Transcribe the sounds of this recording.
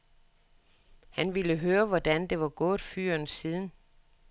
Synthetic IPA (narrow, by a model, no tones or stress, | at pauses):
hænʋiləɦøːɐʋɒd̥ænd̥e̝ʋɑ̈ɡ̥ɔ̽ːðˠfy̰ɐ̰nsiːð̞ˠn̩